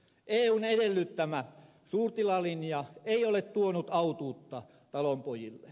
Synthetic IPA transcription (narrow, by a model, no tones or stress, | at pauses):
ʔeːuːnedelːyt̪ːæmæ | suːrt̪ilɑlinjɑeiolet̪t̪uonut̪ɑut̪uːt̪ːɑ | t̪ɑlompojilːḛ